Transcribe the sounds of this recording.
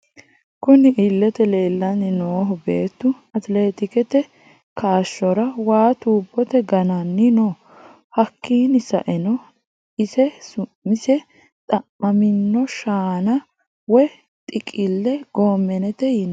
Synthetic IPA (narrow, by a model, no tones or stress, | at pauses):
kʊnɪʔɪlːɛt̪ɛle̞ːlːɐnːɪnoːɦʊbe̞ːt̪ːʊ | ɐt̪le̞ːt̪ɪkɛt̪ɛ | kaːʃːɔɾɐwaːt̪uːbːɔt̪ɛɡɐnɐnːɪnoː | hɐkːiːnɪsɐ̰ʔɛnɔ | ɪsɛsʊmːɪsɛ | t̪ʼɐmːɐmɪnːɔʃaːnɐ | wɔj | t̪ʼɪkʼɪlːɛɡ̥oːmːɛnɛt̪ɛjɪn